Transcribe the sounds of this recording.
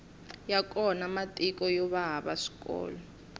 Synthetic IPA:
jakʼɔnamatʼikʼɔjɔβaɦaɓa̰si̥kʼɔ̰ːlɔ

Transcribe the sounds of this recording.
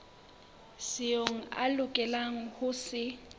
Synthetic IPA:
sɪoŋ̩a̰lʊkʼɛlaŋ̩hʊsɪ

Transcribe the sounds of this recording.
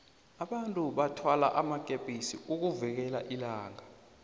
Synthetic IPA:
aɓantʼuɓatʰwala̰ʔamak̬ʼepʼisiuk̬uvɛk̬ɛlaʔilaːŋa

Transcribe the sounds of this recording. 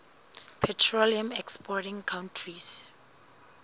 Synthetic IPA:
pʰɛtʰɹoliãmɛkspʰɔtĩŋkʰãwntʰɹis

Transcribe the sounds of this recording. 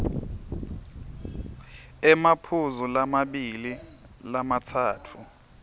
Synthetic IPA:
ɛmapʰuzulamaɓililamatʰaːtʰu

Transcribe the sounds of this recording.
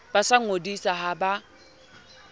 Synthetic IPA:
basaŋ̩odisaɦaba

